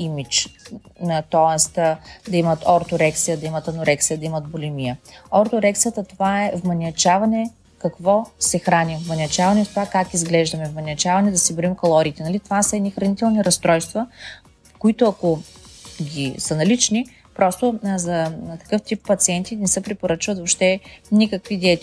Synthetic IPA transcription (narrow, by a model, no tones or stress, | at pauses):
imit͡ʃ | t̪ɔɛst̪d̪ɐimɐt̪ʰɔɾt̪oɾɛksijəd̪ɐimɐt̪ɐnoɾɛksijəd̪ɐimɐt̪̚bolʲimijəɔɾt̪oɾɛksijət̪ət̪ovaɛvmɐnʲɐt͡ʃavɐnɛ | kɐkvɔsɛxɾanivmɐnʲiɐt͡ʃavɐnɛft̪ovakakizɡlɛʒd̪ɐmɛvmɐnʲɐt͡ʃavɐnɛd̪ɐsɛboimkolˠɔɾiːt̪ɛnɐlit̪ovasəɛd̪nixɾɐnit̪ɛlˠniɾɐst̪ɾɔjst̪vɐ | koit̪oɐko | ɡʲisənɐlit͡ʃni | pɾɔst̪ozɐk̪ɐ̥kɤft̪ipːɐt̪siɛnt̪inɛsəpɾɛpoɾɤt͡ʃvɐt̪vopʃt̪ɛnikəkvid̪ɛt̪